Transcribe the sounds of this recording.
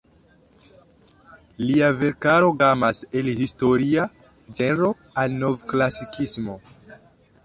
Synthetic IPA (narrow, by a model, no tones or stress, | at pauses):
liave̞ɾkaɾo̞ɡamase̞lhisto̞ɾia | d͡ʒeɾo̞ | alno̞vklasikʰismo̞